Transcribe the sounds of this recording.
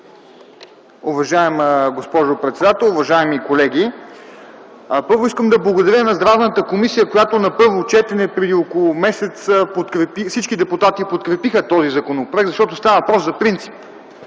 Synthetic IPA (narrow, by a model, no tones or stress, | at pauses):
ʊvɐʒaɛmɡospɔʒopɾɛt̪sɛd̪at̪ɛlˠʊvɐʒaɛmikolɛɡ̟ʲi | pɤɾvʊiskəmd̪ɐblˠɐɡod̪ɐɾjənɐzd̪ɾavnət̪əkomisijəkojat̪onɐpɤɾvot͡ʃɛt̪ɛnɛpɾɛd̪iokolˠʊmɛsɛt̪spot̪kɾɛpifsit͡ʃkid̪ɛput̪at̪ipot̪kɾɛpixət̪ɔzizɐkonopɾvɛkɡ̪zɐʃt̪ɔt̪ost̪avɐvɐpɾɔszɐpɾint̪si̥p